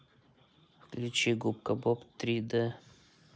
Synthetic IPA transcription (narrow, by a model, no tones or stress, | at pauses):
fklʲut͡ɕiɡup̚kəbopt̪ɾʲid̪ɛ